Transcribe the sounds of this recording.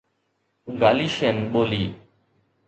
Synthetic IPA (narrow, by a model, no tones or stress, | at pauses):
ɡaːliːʃeːnɓoːliː